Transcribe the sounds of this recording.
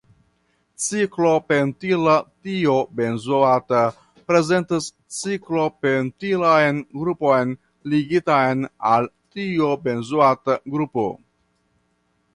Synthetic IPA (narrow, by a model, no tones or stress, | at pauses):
t͡siklo̞pentilatiobe̞nzoata | pɾe̞ze̞ntis | t͡siklo̞pentilajnɡɾupo̞jn | liɡitajnal | tiobe̞nzuataɡɾupo̰